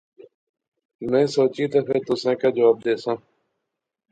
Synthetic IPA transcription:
mẽːsoːt͡ʃiːt̪afẽːt̪ʊsãːkãːd͡ʒəʋaːb̚d̪eːsãː

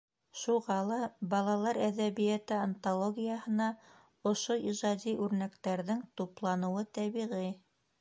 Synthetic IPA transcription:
ʃuʁɑlˠɑbɑlˠɑlˠɑɾæðæβijæt̪ɘant̪olˠoɡʲijəhɤ̆nɑ | ŏʃoiʒɑd̪ʲiʔʉɾnækt̪æɾðɘŋt̪uplˠɑnɤ̆wɤt̪æβiʁi

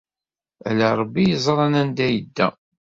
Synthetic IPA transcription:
ælaɾˤbːijəzˤɾˤɑnænd̪æjəd̪ːæ̰

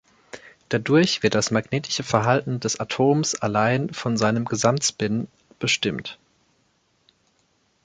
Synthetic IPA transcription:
d̥adʊɐçv̥ɪɐt̚d̥asmaɡneːtʰɪ̥ʃəfɛɐɦaltn̩dɛsatʰoːmsʔalaɪnfɔnzaɪnəmɡəzamtsbɪn | b̥əʃtɪmt

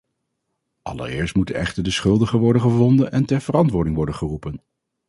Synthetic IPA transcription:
ʔɑ̰lə̰rɪ̰ːɹstmutənɛ̰χtəɹdəsχɵlˠdəχəʋɔɹdənχəvɔndənɛntɛɹv̥ərɑntʋʊːɹdɪŋʋɔɹdənχərupən

